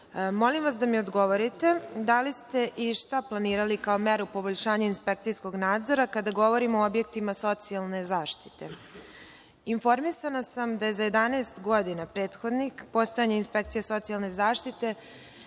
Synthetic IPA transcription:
mo̞limʋasd̪amiod̪ɡo̞ʋo̞ɾit̪e̞d̪alist̪e̞ʔiʃt̪aplˠaniːɾalikaomeɾupoboʎʃaːɲainspe̞kt̪sijsko̞ɡnaːd̪zoɾakad̪aɡo̞ʋo̞ɾimoobje̞k̚t̪imaso̞t̪sialˠne̞zaːʃt̪i̥t̪e̞ | info̞ɾmisanasamd̪ajezaje̞d̪aneːst̪ɡo̞d̪inapɾe̞ːt̪xod̪nixpo̞st̪ojaɲeinspek̚t̪sijeso̞t̪sijalˠne̞zaːʃt̪it̪e̞

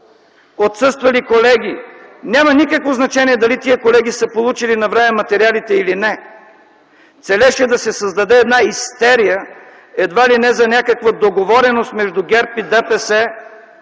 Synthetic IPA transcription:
ot̪sɤst̪vɐlikolɛɡʲinʲamɐnʲikəkvoznɐt͡ʃɛniɛd̪ɐlit̪iəkolɛɡ̟ʲisəpolˠut͡ʃilinɐvɾɛmɛmɐt̪ɛɾialit̪ɛilinɛ | t̪sɛlɛʃɛd̪ɐsɛsɐzd̪ɐd̪ɛːd̪naist̪ɛɾijə | ɛd̪valinɛzɐnʲakəkvəd̪oɡovɔɾɛnost̪mɛʒd̪uɡʲɛɾpid̪ɛpɛsɛ

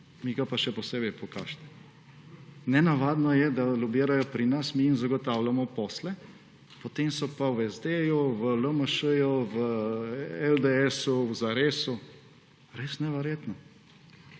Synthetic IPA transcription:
miɡapaʃɛpɔseːbɛjpɔkaːʃt̪ɛ̥ | nɛnaʋaːd̪nɔjɛd̪alʲubeːɾajɔpɾinasmiːnzaɡɔt̪aːwlamɔpɔːslɛ | pɔt̪eːmsɔpawɛzd̪ejuʋələməʃəjuʋə | ɛld̪eɛsuwzaɾeːsu | ɾeːsnɛʋɛɾjeːt̪nɔ

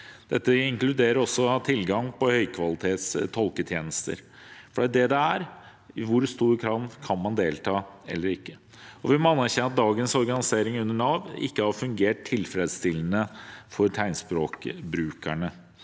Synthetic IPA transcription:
d̪̥ɛt̪ːəɪŋklʉd̪eːɾəɾɔsːɔt̪ʰɪlɡɑŋpʰɔhœʏkʰʋɑlɪt̪ʰeːt̪st̪ʰɔlkət̪ʰjeːnəst̪ə̰ɾ | fɔɖ̪ɛd̪ɛd̪ɛæɾ | ɪʋʊɾst̪uːɾkʰɾɑːʋ̪kʰɑnmɑnd̪eːlt̪ʰɑːɛ̰lːəɾɪkːə | ɔʋɪmɑnːæɾçɛnːɑt̪̚d̪ɑːɡənsɔɾɡɑnɪseːɾɪŋʉnːəɳɑːʋɪ̰kːəhɑɾfʉŋɡeːʈ̚t̪ʰːɪlfɾeːd̪st̪ɪlːənəfɔɾt̪ʰæɪnspɾoːkbɾʉːkæ̰ɳə

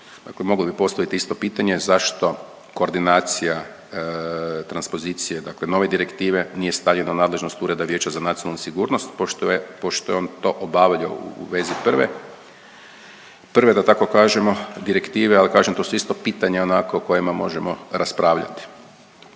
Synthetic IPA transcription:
d̪aklemo̞ɡlobipo̞st̪aʋit̪iist̪o̞piːt̪aɲe̞zaʃt̪o̞ | ko̞ːɾd̪inaːt̪sija | t̪ɾanspo̞zit̪sijed̪akle̞no̞ːʋed̪iɾe̞kt̪iːʋe̞nije̞st̪aːʎenanaːd̪le̞ʒno̞st̪uɾe̞d̪aʋje̞ːt͡ɕazanat̪ijonalnusiɡuːɾno̞st̪popoʃt̪ojeont̪o̞ʔobaːʋʎo̰ṵʋe̞zipr̩ʋḛ | pr̩ʋe̞d̪at̪ako̞kaːʒemo̞d̪iɾekt̪iːʋealikaːʒemt̪o̞suist̪o̞piːt̪aɲeonakooko̞jimamo̞̰ʒemo̞ɾaspɾaːʋʎa̰t̪i̥

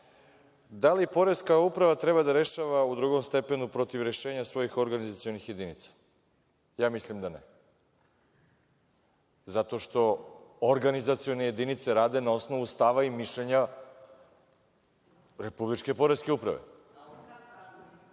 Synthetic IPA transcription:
d̪alipo̞ɾe̞skaupɾaʋat̪ɾebad̪aɾe̞ʃaʋaud̪ɾuɡo̞mst̪epe̞nupɾo̞t̪iʋɾe̞ʃeːɲasʋo̞jixo̞ɾɡanizat̪sijo̞nixje̞d̪init̪sḁ | jaːmislimd̪ane | zat̪o̞ʃt̪o̞oɾɡanizat̪sijo̞neje̞d̪init̪se̞ɾaːd̪e̞nao̞sno̞ʋust̪aʋaimiʃʎeɲa | ɾe̞publit͡ʃke̞po̞ɾeskeupɾa̰ʋḛ

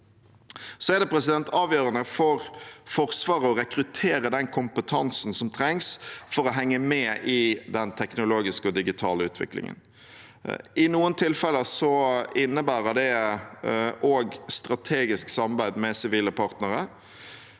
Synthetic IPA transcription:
sɔɛd̪ɛpʰɾɛsɪd̪ɛnt̪ʰɑːʋjøːɾənəfɔɾfɔʁsʋɑːʁəɔɾɛkɾʉt̪ʰeːɾəd̪ɛnkʰʊmpət̪ʰɑnsn̩sɔmt̪ʰɾɛŋsfɔɾɔɦɛŋːəmɛːʔɪd̪ɛnt̪ʰɛknʊloːɡɪskəɔd̪ɪɡɪt̪ʰɑːləʉːt̪ʰʋɪ̰klɪ̰ŋə̰n | ɪnuːənt̪ʰɪlfɛlːəsɔɪnːəbæːɾəd̪ɛ | ʔoːɡst̪ɾɑt̪ʰeːɡɪsksɑmɑbæɪd̪mɛsɪʋiːləpʰɑʁt̪nəʁə

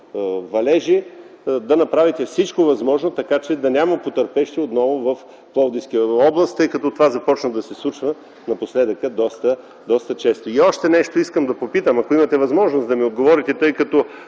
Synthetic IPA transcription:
vɐlɛʒid̪ɐnɐpɾavit̪ɛfsit͡ʃkovɐzmɔʒnot̪ɐkat͡ʃɛd̪ɐnʲaməpot̪əɾpɛʃt̪iot̪nɔvovɐf | plˠɔwd̪ĩskijəɔblˠɐst̪ːɤjkɐt̪ɔt̪ovazɐpɔt͡ʃnəd̪ɐsɛslˠut͡ʃvə | nɐposlɛd̪əkəd̪ɔst̪ə | d̪ɔst̪ət͡ʃɛst̪oiɔʃt̪ɛnɛʃt̪oiskəmd̪ɐpopit̪əmɐkoimɐt̪ɛvɐzmɔʒnosd̪ɐmiod̪ɡovɔɾit̪ɛt̪ɤjkɐt̪ɔ

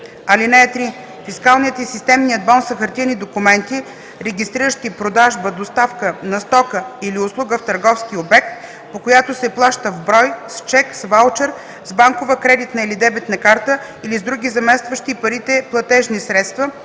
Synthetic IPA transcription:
ɐlinɛɛt̪ɾi | fiskalˠnit̪isist̪ɛmnijəd̪̚bɔnsɐxɐɾt̪inid̪okumɛnt̪i | ɾɛɡʲist̪ɾiɾəʃt̪ipɾod̪aʒbəd̪ost̪afkənɐst̪ɔkəiliʊslˠuɡəft̪əɾɡɔfskiobɛk̚t̪̚ | pokojat̪osɛplˠaʃt̪əvbɾɔjst͡ʃɛksvalˠt͡ʃɛɾ | zbaŋkovəkɾɛd̪it̪nɐilid̪ɛbɛt̪nɐkaɾt̪ə | ilizd̪ɾuɡʲizɐmɛst̪vəʃt̪ipɐɾit̪ɛplˠɐt̪ɛʒnisɾɛt̪st̪və

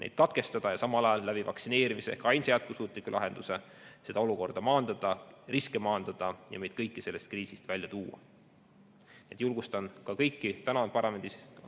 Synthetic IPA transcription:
nʔḛjd̪̥̚kɑt̪ke̞st̪ɑd̪̥ɑjɑsɑmɑlɑjɑlːæb̥ivɑksine̞ːɾimiseehkɑjnsejæt̪̚kusuːt̪ˑlikːulɑ̰ɦe̞nd̪̥use̞ | se̞d̪̥ɑo̞luko̞rd̪̥ɑmɑːnd̪̥ɑd̪̥ɑriskemɑːnd̪ɑd̪̥ɑjɑ̰me̞jd̥̪̚kɤjkːise̞lːe̞st̪̚kriːsist̪vælʲjɑt̪uːɑ̰ | niet̪julɡ̥ust̪ɑnkɑkɤjkːit̪ænɑpɑrɑme̞nd̪is

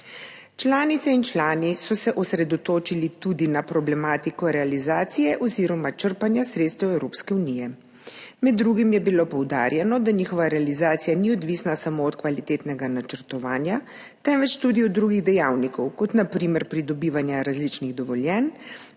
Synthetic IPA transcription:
t͡ʃlaːnit̪sɛint͡ʃlaːnisɔsɛʔɔsɾɛd̪ɔt̪oːt͡ʃilit̪ud̪inapɾɔblɛmaːt̪ikɔɾɛalizaːt̪sijɛʔɔziɾɔmat͡ʃəɾpanjasɾeːt̪st̪ɛwɛwɾopskɛuniːjɛ | mɛd̪ːɾuɡimjɛbilopɔwd̪a̰ːɾjɛnɔd̪aɲiːxɔʋaɾɛalizaːt̪sijaniɔd̪ʋisnasamoːt̪kʋalit̪eːt̪nɛɡanat͡ʃəɾt̪ɔʋaːnja | t̪ɛmʋɛt͡ʃt̪ud̪iɔd̪ːɾuɡiɣd̪ɛjawnikɔwkɔt̪napɾiːmɛɾpɾid̪ɔbiːʋanjaɾazlit͡ʃniɣd̪ɔʋɔljɛn

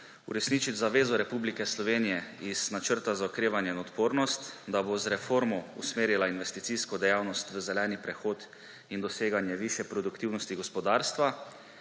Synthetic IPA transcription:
ṵɾɛsnit͡ʃit̪ʲzaʋeːzɔɾɛpublikɛslɔʋeːnijɛiz̥nat͡ʃəɾt̪azaɔkɾeːʋanjɛinɔt̪poːɾnɔst̪d̪abozɾɛfoːɾmɔṵsmeːɾilainʋɛst̪it̪siskɔd̪ɛjawnɔst̪ʋəzɛlɛːnipɾɛxoːt̪ | ind̪ɔseːɡanjɛʋiʃjɛpɾɔd̪ukt̪iwnɔst̪iɡɔspɔd̪aːɾst̪ʋa

